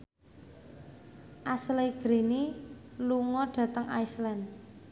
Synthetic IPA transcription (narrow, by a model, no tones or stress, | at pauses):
ʔasleɡ̥ɾiniluŋɔɖ̥ä̤t̪əŋʔa̰jslɛn